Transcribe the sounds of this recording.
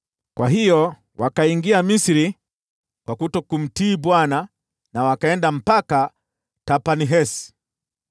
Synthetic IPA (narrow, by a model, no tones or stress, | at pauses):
kwaɦijɔ | wʔakaiŋɡiamisiɾi | kwakutɔkum̩tiːbwana | nawakaɛndam̩paka | tapaniɦɛsi̥